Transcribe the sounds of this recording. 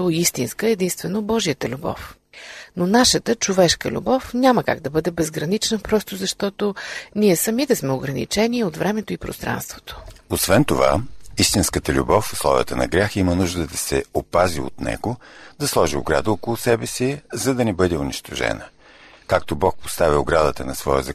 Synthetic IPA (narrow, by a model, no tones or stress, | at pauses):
oist̪inskəɛd̪inst̪vɛnobɔʒiət̪əlʲubɔ̰f | nonaʃət̪ət͡ʃʊvɛʃkə̰lʲṵbɔfnʲaməka̰ɡd̪ɐbɤd̪ɛbɛzɡɾɐnit͡ʃnəpɾɔst̪ozɐʃt̪ɔt̪oniɛsɐmit̪ɛsmɛʊɡɾɐnḭt͡ʃɛniot̪vɾɛmɛt̪oipɾʊ̰st̪ɾa̰nst̪vo̥t̪o̥osvɛnt̪ova̰ist̪inskət̪əlʲṵbɔfslˠɔ̰vʲə̰t̪ənɐ̰ɡɾʲjaximənuʒd̪əd̪ɐsɛ̰opazio̰t̪nɛ̰ɡod̪ɐslˠɔʒio̰ɡɾa̰d̪əɔkolˠʊsɛbɛsizɐd̪ɐnɛbɤd̪ɛʊniʃt̪oʒɛ̰nə | kak̚t̪obɔk̚post̪avioɡɾad̪ət̪ənɐsvɔjə̰zɐ